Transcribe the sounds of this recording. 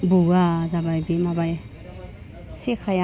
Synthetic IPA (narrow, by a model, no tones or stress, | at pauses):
buazabajbimabaj | sekʰaja